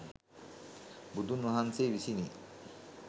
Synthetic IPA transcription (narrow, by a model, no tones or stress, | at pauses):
bud̪ʱunʋɐɦanseʋisini